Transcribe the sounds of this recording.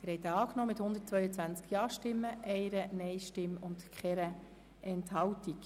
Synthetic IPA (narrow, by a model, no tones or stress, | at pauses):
ɪɾhɛjt̪ɑːknɔːmɪt̪hʊndət̚t͡sʋœʏət͡sʋænt͡skjɑːʃtɪmːəʔɛɪɾənɛɪʃtɪmʊntkχɛɾə | ʔɛnthɑwtik